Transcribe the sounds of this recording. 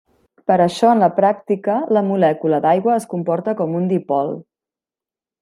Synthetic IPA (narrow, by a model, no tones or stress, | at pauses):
pəɾəʃɔənləpɾak̚t̪ikələmulɛkuləd̪ajɣwəːskumpɔɾt̪əkɔmund̪ipɔlˠ